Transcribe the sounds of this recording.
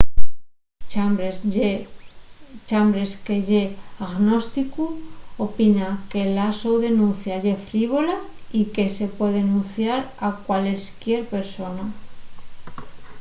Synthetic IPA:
aɾe | t͡ʃambɾe̞ske̞ʝeaɣno̞st̪ikuopinake̞lasowðe̞nũnθjaʝe̞fɾiβ̞o̞laike̞se̞pwe̞ðenũnθjaɾakwaleskjeɾpe̞ɾso̞na

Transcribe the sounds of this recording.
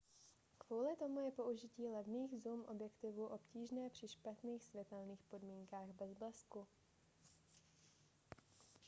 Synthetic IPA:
kvuːlɪt̪o̞mujɛpo̞ʔuʒɪciːlɛvniːɣzumʔo̞bjɛkt̪ɪvuːʔo̞pciːʒnɛːpr̝̥ɪʃpat̪niːxsvjɛt̪ɛlniːxpo̞dmiːŋkaːɣbɛzblɛsku

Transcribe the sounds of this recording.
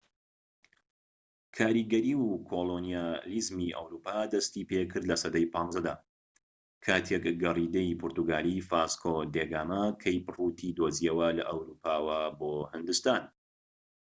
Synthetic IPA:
kʰaːɾiɡɐɾiːkʰolˠonijalizmiʔɐ̰wɾuːpaːd̪ɐst̪ipekʰɨɾd̪lɐsɐd̪ɐjpʰɑːnzɐd̪aː | kʰaːt̪ʰekɡɐrid̪eipʰʊɾt̪uɡaːlifaskʰod̪eɡaːmɐkʰɐjpɨrut̪ʰid̪oːziɐwɐlɐ̰ʔɐwɾuːpʰaːwɐboːhɨnd̪ɨst̪aːn

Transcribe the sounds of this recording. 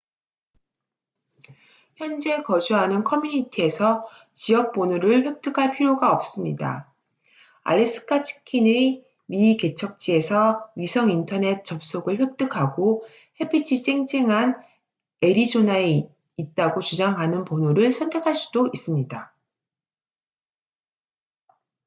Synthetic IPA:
çjʌnd͡ʑe̞kʌd͡ʑuɦanɯnkʰʌmjuɲitʰie̞sʰʌ | t͡ɕijʌk̚p͈onuɾɯɭɸwe̞k̚t͈ɯkʰaɭpʰiɾjoɡaʌp̚s͈ɯmɲida̰ | a̰ɾes͈ɯ̥kʰat͡ɕʰi̥kʰine | mike̞t͡ɕʰʌk̚t͡ɕ͈ie̞sʰʌɥisʰʌŋintʰʌne̞t̚t͡ɕ͈ʌp̚s͈oɡɯɭɸwek̚t͈ɯkʰaɡo | he̞pʰit͡ɕʰis͈eŋd͡ʑiŋɦan | e̞ɾid͡ʑonae | it̚t͈aɡot͡ɕud͡ʑaŋɦanɯnponuɾɯɭsʰʌntʰe̞kʰaɭs͈u̥d̥ois͈ɯmɲida

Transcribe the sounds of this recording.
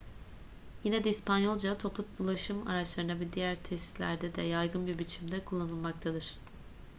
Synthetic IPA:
jinɛd̪ɛispʰanjo̞lˠd͡ʒat̪ʰo̞pʰut̪̚bulˠaʃɯma̰ɾat͡ʃlˠaɾɯnabid̪ijæɾt̪ʰɛsi̥slʲæ̰ɾd̪ɛd̪ɛjajɡɯnbiɾbit͡ʃʰimd̪ɛkʰulˠːanɯlˠmak̚t̪ʰad̪ɯɾ̥

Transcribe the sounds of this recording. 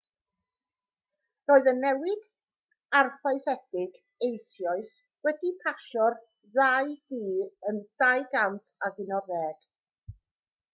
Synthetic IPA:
roːɨðənːɛwɪd̥ | arfaɨθɛd̥ɪɡ | ejsjɔɨs | wɛdipʰaʃɔr | ðajðiːənð̥ajɡantʰaɡɪnɔɾɛːd̥

